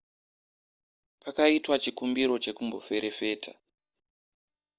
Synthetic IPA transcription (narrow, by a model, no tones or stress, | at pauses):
pakaitwat͡ʃikumbiɾo̞t͡ʃe̞kumbo̞̰fe̞ɾʔe̞fe̞ːtʰḁ